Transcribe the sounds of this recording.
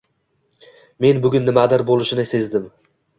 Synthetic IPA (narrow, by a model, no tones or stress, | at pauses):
me̞nbʊɡʲʊnːɪmad̪aɾbolˠɪʃɪnɪse̞zd̪ɪm